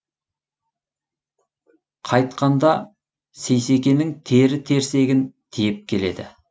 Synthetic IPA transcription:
qʰɑjt̪̚qɑnd̪ɑ | se̞jse̞kʲe̞nɪŋt̪ʰe̞ɾɪt̪ʰe̞ɾse̞ɡʲɪnt̪ʰijɪp̚kʲʰe̞le̞d̪ɪ̰

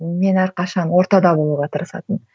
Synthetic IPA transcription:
me̞næɾqɑʃɑnwo̞ɾt̪ɑd̪ɑbo̞lˠuʁɑt̪ʰəɾəsɑ̰t̪ən

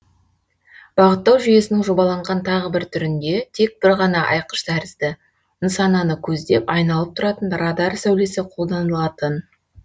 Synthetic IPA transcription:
b̥ɑʁət̪ːɑwʒʏje̞sɪnɪŋʒo̞bɑlˠɑɴʁɑnt̪ʰɑʁəbɪɾt̪ʰʏɾɪnd̪e̞t̪ʰe̞k̚b̥ɪɾʁɑnɑʔɑjqə̥ʃd̪ʰæɾɪzd̪ɪ | ənsɑnɑnəkʲʰɵzd̪e̞pɑjnɑlˠəp̚t̪ʰʊɾɑt̪ənɾɑd̪ɑɾsæwle̞sɪqʰo̞lˠd̪ɑnəlˠɑt̪ən

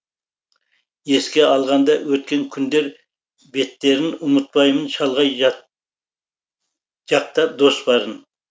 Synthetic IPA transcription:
je̞skʲe̞ɑlˠʁɑnd̪ɑwɵt̪̚kʲe̞ŋkʲʰʏnd̪e̞ɾ | be̞t̪ːe̞ɾɪnʊmət̪̚pɑjmənʃɑlˠʁɑj | ʒɑq̚t̪ɑd̪o̞sbɑɾən

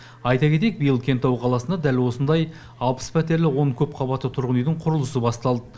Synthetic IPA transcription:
ɑjt̪ɑkʲʰe̞t̪̬ek̚bijəlˠkʲʰe̞nt̪ːɑwqʰɑlˠɑsənd̪ɑd̪ælwo̞sənd̪ɑj | ɑlˠpə̥spʰæt̪e̞ɾlɪwo̞ɴkʲʰɵpqʰɑbɑt̪ːət̪ʰʊɾʁənijd̪ɪɴqʰʊɾəlˠəsəbɑst̪ɑlˠd̪ə

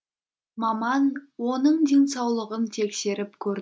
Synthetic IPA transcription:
mɑmɑnwo̞nəɴd̪e̞ŋsɑwlˠəʁənt̪ʰe̞kʲse̞ɾɪpkʲʰɵɾ

